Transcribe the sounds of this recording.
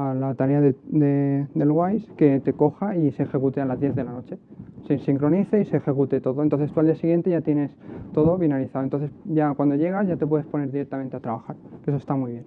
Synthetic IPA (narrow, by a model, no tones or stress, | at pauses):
alat̪aɾe̞aðed̪ed̪e̞lɣwajske̞t̪e̞ko̞xaisexe̞kut̪ealazðjeððe̞lano̞t͡ʃe̞sisiŋkɾo̞niθeise̞ːxe̞kut̪e̞t̪o̞ðo̞nt̪onθe̞st̪uald̪iasiɣje̞nt̪e̞ʝat̪je̞ne̞st̪o̞ð̞oβinaliθaðont̪o̞nθe̞sʝakwand̪o̞ʝe̞ɣ̞azʝat̪e̞p̬we̞ðespo̞ne̞ɾðiɾe̞k̚t̪amẽnt̪eat̪ɾaβaxaɾkes̬ost̪amujβ̞je̞n